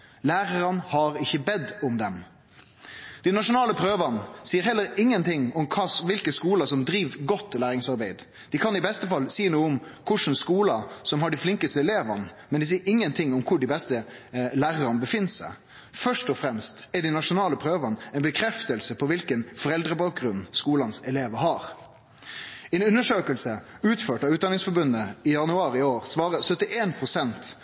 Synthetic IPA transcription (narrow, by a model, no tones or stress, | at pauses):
læːɾəɾɑnhɑɾɪçːəbɛd̪ːɔmd̪ɛm | d̪̥ɪnɑʂʊnɑːləpʰɾøːʋənsiːəɾɦɛlːəɾɪŋːənt̪ʰɪŋɔmkʰɑːʋɪlkəskuːlɑsɔmd̪ɾiːʋɡɔt̪ːlæːɾɪŋsɑɾbeɪd̪ | d̪̥ɪkʰɑnɪbɛst̪əfɑlsiːnuːəʊmkʰʊʂnskuːlɑsɔmhɑɖɪflɪŋkəst̪əɛleːʋɑnmɛnd̪ɪsiːəɾɪŋːənt̪ʰɪŋʊmkʰʊɖɪbɛst̪əlæːɾəɾɑnəbəfɪnːsæ̰ɪ | fœʂʈɔfɾɛmst̪ɛɖɪnɑʂʊnɑːləpʰɾøːʋənəɛɪnbəkʰɾɛft̪əlsəpʰɔʋɪlkənfɔɾɛld̪ɾəbɑːk̚ɡɾʉnːskuːlɑnsɛleːʋəhɑɾ | ɛɪnʉnːəʂøːkəlsə | ʉːt̪føːʈɑʉːt̪d̪ɑnɪŋsfɔɾbʉnːəɪjɑnʉɑːɾɪoːɾsʋɑːɾəsœt̪ɪʔeːnpʰɾʊsɛnt̪